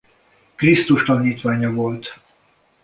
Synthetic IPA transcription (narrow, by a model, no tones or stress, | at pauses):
krist̪uʃt̪ɒniːt̪ʋaːɲɒvo̞lt̪